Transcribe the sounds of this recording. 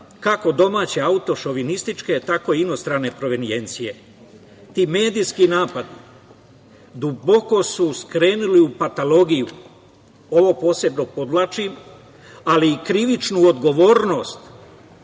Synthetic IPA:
kako̞d̪o̞maːt͡ɕe̞aut̪o̞ʃo̞ʋinist̪it͡ʃke̞t̪ako̞iino̞st̪ɾane̞pɾo̞ʋenie̞nt̪sije̞ | t̪iːme̞ːd̪iskinaːpad̪i | d̪ubo̞ko̞suskɾe̞ːnuliupat̪alo̞ɡiju | o̞ʋo̞po̞ːse̞bno̞po̞d̪lat͡ʃim | aliːkɾiʋit͡ʃnuod̪ɡo̞ʋo̞ːɾno̞st̪

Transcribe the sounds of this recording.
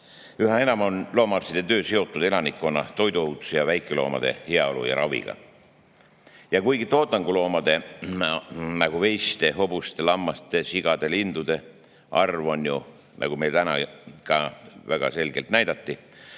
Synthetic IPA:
yɦɑe̞nɑmonlo̞ːmɑɑrsid̪̥e̞t̪ø̞ːse̞o̞t̪ːˑud̪̥e̞lɑnikːˑonːɑt̪o̞jd̪uowt̪u̥sejɑvæjkːˑelo̞̰ːmɑ̰d̪̥e̞̰heɑo̞lṵjɑ̰ɾɑvḭɡ̥ɑ̰ | jɑkujɡ̥it̪o̞ːt̪ːˑɑŋɡulo̞ːmɑd̪̥e̞ | nɑɡ̥uve̞jst̪e̞ɦo̞bust̪e̞lɑmːɑst̪e̞siɡ̥ɑd̪̥e̞lind̪̥ud̪̥e̞ | ʔɑrvo̞nju | nʔɑ̰ɡ̥ume̞jlt̪ænɑkɑvæɡ̥ɑ̰se̞lɡ̥e̞lt̪næjd̪̥ɑt̪ːi

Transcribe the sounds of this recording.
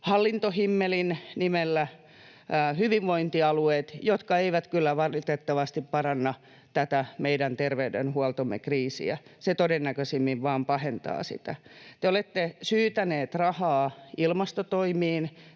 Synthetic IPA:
hɑlːint̪ohimːelinnimelːæ | hyʋiʋʋoint̪iɑlueːt̪jot̪kɑeiʋæt̪kylːæʋɑlit̪et̪ːɑʋɑst̪ippɑrɑnːɑ | t̪æt̪æmeidænt̪erʋeydḛnhuɑlt̪omːḛkriːsḭæ̰set̪odenːækøsimːiʋʋɑːmpɑhent̪ɑ̰ːsḭt̪æ̰t̪eolet̪ːesyːt̪æneːt̪rɑhɑːilmɑst̪ot̪oimiːn

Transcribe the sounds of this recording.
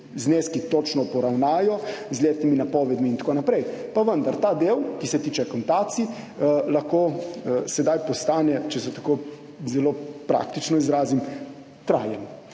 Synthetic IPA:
zneːskit̪ot͡ʃnɔpɔɾawnaːjɔzlʲeːt̪iminapɔːʋɛd̪miːnt̪ḁkonapɾɛjpaʋənd̪aɾt̪aːd̪ewkisɛt̪iːt͡ʃɛkɔnt̪aːt̪si | laxkoːsɛd̪ajpɔst̪aːnɛt͡ʃɛsɛt̪ḁkoː | zɛloːpɾa̰kt̪it͡ʃnɔizɾaːzim | t̪ɾa̰ːjɛn

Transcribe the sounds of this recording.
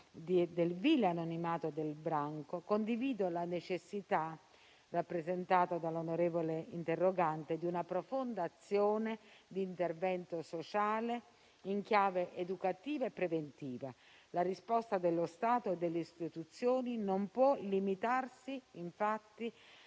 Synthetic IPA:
d̪id̪elviːlanonimaːt̪od̪elbɾaŋkokond̪iviːd̪olanet͡ʃesːit̪a | rapːɾezent̪aːt̪ad̪alːonoɾeːvoleint̪erːoɡant̪ed̪iunapɾofond̪aːt̪sːjoːned̪iːnt̪ervɛnt̪osot͡ʃaːle | iŋk̟jaːveʔed̪ukat̪iːvaepːɾevent̪iːva | larispɔst̪ad̪elːost̪aːt̪oed̪ːelːeist̪it̪ut̪sːjoːninompwɔlimit̪arsiiɱfat̪ːi

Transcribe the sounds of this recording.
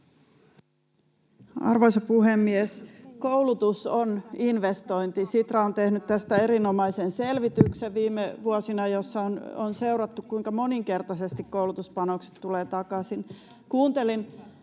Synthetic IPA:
ɑ̰rʋoisɑpuɦemːiesko̞ulut̪usoninʋest̪o̞jnt̪isit̪rɑont̪e̞hnyt̪t̪æst̪æe̞ɾino̞mɑjsenselʋit̪ykseʋʋiːmːeʋuosinɑjosːɑononse̞wɾɑt̪ːukkuiŋkɑmo̞niŋke̞rt̪ɑsest̪ikkoulut̪uspɑnokse̥t̪tːuleːt̪ɑkɑsin | kuːnt̪e̞lin

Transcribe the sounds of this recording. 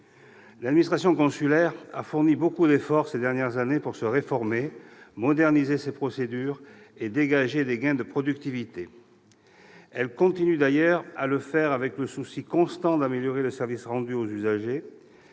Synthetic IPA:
lad̪minist̪χasjɔ̃kɔ̃sylɛʁa̰fuʁnibokud̪efɔʁsed̪ɛʁnjɛʁzanepuʁsəʁefɔʁmemɔd̪ɛʁnizesepχɔsed̪yʁed̪eɡaʒed̪eɡɛ̃d̪əpχɔd̪yk̚t̪ivit̪e | ɛlkɔ̃t̪inyd̪ajœʁaləfɛʁavɛkləsusikɔ̃st̪ɑ̃d̪ameljɔʁeləsɛʁvisʁɑ̃d̪yozyzaʒe

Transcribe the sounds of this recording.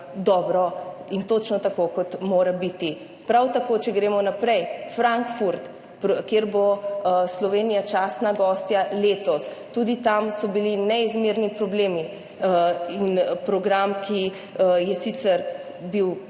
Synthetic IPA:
d̪ɔbɾɔint̪ot͡ʃnɔt̪akokɔt̪moːɾabit̪i | pɾawt̪akoːt͡ʃɛɡɾeːmɔnapɾɛjfɾaŋkfuɾt̪ | pkjeɾboslɔʋeːnijat͡ʃasnaɡɔst̪jaleːt̪ɔst̪ud̪it̪amsɔbilinɛizmeɾnipɾɔbleːmi | inpɾɔɡɾamkʰi | jɛsit̪sɛɾ | biw

